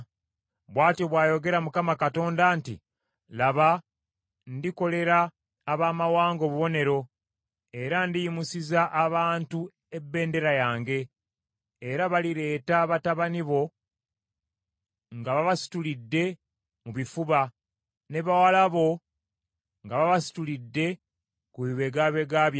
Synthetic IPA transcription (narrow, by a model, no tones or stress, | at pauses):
βwaːtjoβwaːjo̞ɡe̞ɾamukamakato̞ːndantḭ | laβa | ndiko̞le̞ɾaː | βaːmawaːŋɡo̞βuβo̞ne̞ɾo̞ | e̞ɾandijimusizaʔːβaːntu | e̞bːe̞ːnde̞ɾajaːŋɡe̞ː | ɾaβaliɾe̞ːtaβataβaniβo̞ | ŋɡaβaβasi̥tulidːe̞ | muβifuβa | ne̞βawalaβo̞ | ŋɡaβaβasi̥tulidːe̞ | kuiβe̞ɡaːβe̞ɡaβja